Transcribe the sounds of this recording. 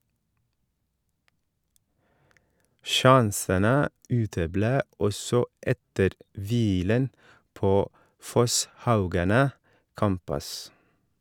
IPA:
ˈʃɑnsənə ˈʉːtəˌbleː ˈɔsɔ ˈʔɛtəɾ ˈʋiːlən ˈpoː ˈfɔsˌhɑʉɡɑnə ˈkæmpʉs

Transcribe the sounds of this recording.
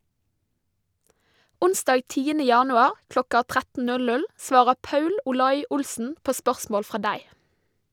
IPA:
ˈʊnsdɑːɡ ˈtiːənə ˈjɑːnʉɑɾ ˈklɔkɑ ˈtʁætn̩ ˈnʉl ˈnʉl ˈsʋɑːɾə ˈpɑʉl ʊˈlɑɪ ˈʊlsn̩ ˈpoː ˈspœʁsmoːl ˈfʁɑː ˈdæɪ

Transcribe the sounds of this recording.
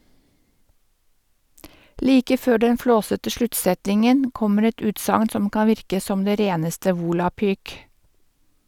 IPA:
ˈliːkə ˈføː ˈɖɛn ˈfloːsətə ˈʃlʉtˌsɛtɪŋən ˈkɔməɾ ˈɛt ˈʉːtsɑŋn ˈsɔm ˈkɑːn ˈʋɪɾkə ˈsɔm ˈdeː ˈɾeːnəstə ˈʋuːlɑpyːk

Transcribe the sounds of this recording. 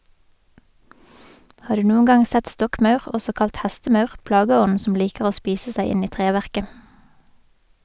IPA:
ˈhɑːʁ ˈdʉː ˈnuːəŋ ˈɡɑŋ ˈsɛt ˈstɔkˌmɑʉʁ ˈɔsɔ ˈkɑlt ˈhɛstəˌmɑʉʁ ˈplɑɡəˌɔn̩ ˈsɔm ˈliːkəʁ ˈoː ˈspiːsə ˈsæɪ ˈɪn ˈiː ˈtʁeːʋæʁkə

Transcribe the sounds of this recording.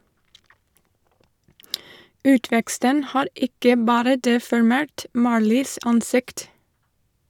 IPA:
ˈʉːtʋɛkstən ˈhɑːɾ ˈɪkə ˈbɑːɾə ˌdeːfɔɹˈmeːɹt ˈmɑːɹliːs ˈɑnˌsɪkt

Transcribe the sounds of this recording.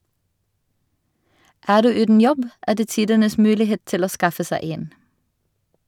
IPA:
ˈæːʁ ˈdʉː ˈʉːdn̩ ˈjɔb ˈæː ˈdeː ˈtiːdənəs ˈmʉːlɪˌheːt ˈtɪl ˈoː ˈskɑfə ˈsæɪ ˈeːn

